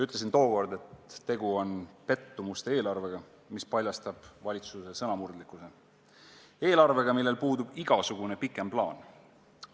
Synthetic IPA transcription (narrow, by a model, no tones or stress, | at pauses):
yt̪ːˑls̬int̪o̞ːko̞rd̪e̞t̪ːe̞ɡ̥uo̞npe̞t̪ːumust̪ee̞ːlɑrve̞ɡ̥ɑ | mispɑlʲjɑst̪ɑb̥vɑlʲit̪suse̞sɤnɑmurd̪likːˑuse̞ | e̞ːlɑrve̞ɡ̥ɑmilːe̞lpuːd̪̥ub̥iɡ̥ɑsuɡ̥une̞pikːˑe̞mplɑːn